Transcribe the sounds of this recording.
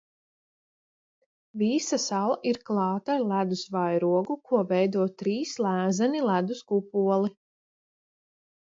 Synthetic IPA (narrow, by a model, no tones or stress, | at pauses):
visasalˠaʔiɾklˠɑːt̪aɾlˠæd̪usvajɾuɔɡukʰuɔvɛjd̪uɔt̪ɾiːslˠæːzɛnilˠæd̪uskupuɔlˠi